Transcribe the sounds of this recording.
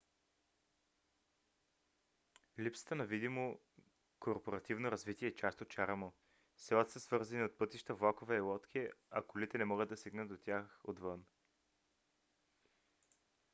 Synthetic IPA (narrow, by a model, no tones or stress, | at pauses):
lipsə̥t̪ənɐvid̪imo | koɾpoɾɐt̪ivnoɾɐzvit̪iɛːt͡ʃast̪ot̪̚t͡ʃaɾəmo | sɛlˠət̪səsvɤɾzɐniot̪̚pɤt̪iʃt̪əvlˠakovɛːlˠɔt̪kʰʲiɐ̰kolit̪ɛnɛmɔɡəd̪ɐsiɡnət̪d̪ot̪ʲjaxod̪vɤn